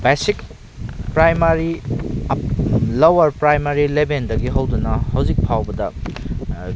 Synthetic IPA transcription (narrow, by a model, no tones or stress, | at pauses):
besik | pɾajmaɾi | lɐwɐɾpɾajmaɾilebendɐɡiɦɐwdunɐhɐwzik̚pʰawbɐdɐ